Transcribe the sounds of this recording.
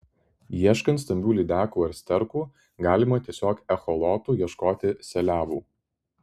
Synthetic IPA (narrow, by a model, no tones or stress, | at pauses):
jiɛʃkɐnt̪sʲt̪ʲɐmʲbʲuːlʲiːd̪ʲæːkuːɐɾsʲt̪ʲɛɾkuː | ɡɑːlʲɪmɐt̪ʲiɛsʲoːkɛxɔlˠɔːt̪uːjiɛʃkoːt̪ʲɪsʲɛlʲæːʋuː